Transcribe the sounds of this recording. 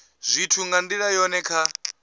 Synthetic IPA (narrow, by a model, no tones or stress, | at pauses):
zʷitʰuŋɡandiɺajɔnɛkʰa